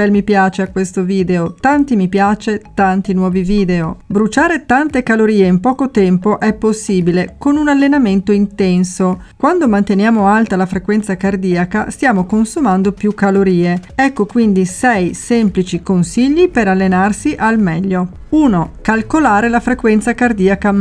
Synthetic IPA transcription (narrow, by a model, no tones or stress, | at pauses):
ɛlmipjaːt͡ʃeakwest̪oviːd̪eot̪ant̪imipjaːt͡ʃet̪ant̪inwɔːviviːd̪eobɾut͡ʃaːɾet̪ant̪ekaloɾiːeimpɔːkot̪ɛmpoʔɛpːosːiːbilekonunalːenament̪oint̪ɛnso | kwand̪omant̪enjaːmoalt̪alafɾekwɛnt̪sakard̪iːakast̪jaːmokonsumand̪opjukːaloɾiːeɛkːokwind̪isɛjsɛmplit͡ʃikonsiʎːipeɾalːenarsiʔalmɛʎːo | uːnokalkolaːɾelafɾekwɛnt̪sakard̪iːaka